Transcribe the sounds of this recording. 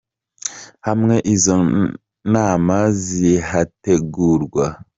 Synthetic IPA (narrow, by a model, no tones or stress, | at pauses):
hamŋeʔizɔŋ | namaziɦateɡuɾɡwa